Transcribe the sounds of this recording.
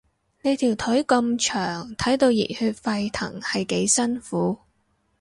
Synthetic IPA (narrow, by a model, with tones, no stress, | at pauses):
ne˨˧jt̪ʰiː˨˩wt̪ʰɵ˨˥ɥkɐ˧mt͡ʃʰœː˨˩ŋt̪ʰɐ˨˥jt̪o˧wjḭ˨˩hyː˧t̚fɐ˧jt̪ʰɐ̰˨˩ŋhɐ˨jke˨˥jsɐ˥nfuː˨˥